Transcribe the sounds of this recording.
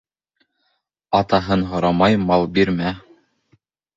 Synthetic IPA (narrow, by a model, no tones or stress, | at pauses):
ɑt̪ɑɦɤnɦŏɾɑmɑjmɑlˠbiɾmæ